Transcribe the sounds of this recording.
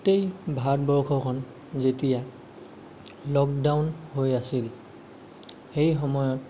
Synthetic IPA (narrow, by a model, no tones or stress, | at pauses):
tejbʱatbɔɹkʰɔkʰɔn | zetija | lɔk̚dawnhojasil | xejxɔmɔjɔt